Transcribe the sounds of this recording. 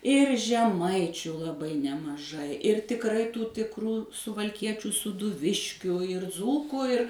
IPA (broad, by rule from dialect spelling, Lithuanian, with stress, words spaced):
ɪr ʒʲɛˈmɐɪt͡ʃʲʊ lˠɐˈbɐɪ nʲɛmɐˈʒɐɪ ɪr tʲɪkˈrɐɪ ˈtuː tʲɪkˈruː sʊʋɐlʲˈkʲiɛt͡ʃʲuː suːdʊˈʋʲɪʃʲkʲʊ ɪr ˈd͡zuːkuː ɪr